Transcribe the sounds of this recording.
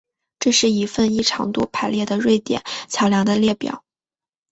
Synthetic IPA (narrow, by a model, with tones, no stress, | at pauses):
ʈ͡ʂɤ˥˧ʂɻ̩˥˩i˧˥fə˥˧ni˥˩ʈ͡ʂʰɑ̰˧˥ŋt̪wɔ˥pʰa˧˥ɪljɛ˥˩d̪ə˩ɻwe˥˩ɪt̪jɛ̰˨˩˦nt͡ɕʰjɑ˧˥ʊljɑ˧˥ŋd̪ə˧ljɛ˥˩pjɑ̰˨˩˦ʊ